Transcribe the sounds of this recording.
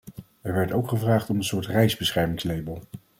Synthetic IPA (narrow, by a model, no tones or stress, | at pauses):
ɛɹʋɛɹtowkχəvraːχtɔmənsʊːɹtrɛjzbəsχɛɹmɪŋslejbəlˠ